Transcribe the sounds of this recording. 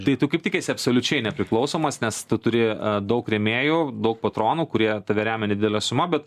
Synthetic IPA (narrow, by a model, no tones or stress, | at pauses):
t̪ɐɪt̪ukɐɪp̚ʲt̪ʲɪkʲiːsʲɪɐpsoːlʲʊt͡ʃʲɛɪnʲɛpʲɾʲɪklˠɒʊsoːmɐsnʲɛst̪ʊt̪ʊɾʲɪd̪ɒʊkɾʲɛmʲeːjuːd̪ɐʊk̚pɐt̪ɾoːnuːkʊɾʲiɛt̪ɐʋʲɛɾʲæːmʲɛnʲɛd̪ʲɪd̪ʲɛlʲɛsʊmɐbʲɛt̪